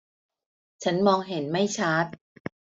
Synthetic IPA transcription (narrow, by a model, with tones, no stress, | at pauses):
t͡ɕʰa˦˥nmɔː˧ŋɦe˩˦nma˥˩jt͡ɕʰa˦˥t̪̚